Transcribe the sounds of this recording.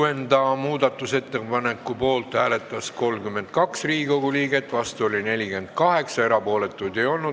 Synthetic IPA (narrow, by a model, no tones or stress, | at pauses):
end̪ɑmuːd̪ɑt̪ːˑuse̞t̪ːe̞pɑne̞kːˑupo̞ːlt̪hæːle̞t̪ːˑɑsko̞lmkymːe̞nt̪̚kɑksriːɡiko̞ɡuliːɡe̞t̪ːˑvɑst̪uo̞lʲine̞lʲike̞nd̪̚kɑhe̞ksɑe̞ɾɑpo̞ːle̞t̪ːˑujd̪e̞jo̞lnu